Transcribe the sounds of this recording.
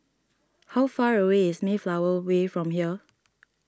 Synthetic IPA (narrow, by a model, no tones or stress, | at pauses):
hawfaɹəweɪsmiflawəwefɹɔ̃mhiə